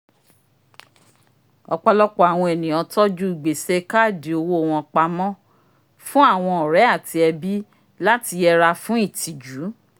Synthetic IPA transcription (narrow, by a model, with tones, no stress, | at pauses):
ɔ˧k͡pɔ˧lɔ˦k͡pɔ˦˨a˨w̃ɔ̃˧e˨nĩ˨ɔ̃˧tɔ˦d͡ʒu˦i˨ɡ͡be˨se˧ka˦˨de˨o˧wo˧˨w̃ɔ̃˧k͡pa˧mɔ̃˦ | fũ˦a˦˨w̃ɔ̃˧ɔ˨ɾɛ˨˦a˦˨ti˧ɛ˧bi˦ | la˦ti˧ɛ˧ɾa˧fũ˦i˦˨ti˨d͡ʒu˨˦